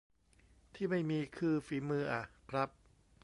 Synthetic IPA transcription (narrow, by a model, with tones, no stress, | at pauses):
t̪ʰiː˥˩ma˥˩jmiː˧kʰɯː˧fiː˩˦mɯː˧ʔa˨˩kʰɾa˦˥p̚